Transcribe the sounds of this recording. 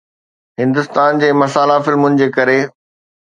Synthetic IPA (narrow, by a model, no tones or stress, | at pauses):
ɦɪ̃nd̪ʊst̪aːnd͡ʑeːmɐsaːlafɪlmʊnɪ̆d͡ʑeːkɐɾe